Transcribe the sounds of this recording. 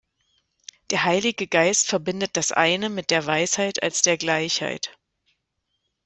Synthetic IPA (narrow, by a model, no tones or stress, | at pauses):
d̥eːɐɦaɪlɪɡəɡaɪstfɛɐbɪndət̚d̥asʔa̰ɪnəmɪt̚d̥eːɐvaɪshaɪta̰lsd̥eːɐɡlaɪçha̰ɪt